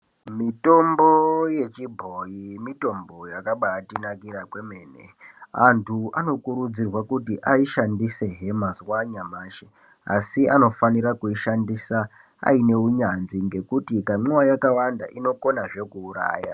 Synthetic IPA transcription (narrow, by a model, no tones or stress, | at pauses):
mito̞mboje̞t͡ʃibʱo̞jimito̞mbo̞jakaɓaːtinakiɾakweme̞ːnḛantʰuano̞kuɾud͡zirwakutiʔaiʃandise̞ɦe̞maswaɲamaːʃe | a̰siano̞faniɾakuiʃandisa | a̰ine̞uɲanʐiŋɡe̞kutikamuwajakawanda̰ʔino̞ko̞naʐe̞kuːɾa̰ːja̰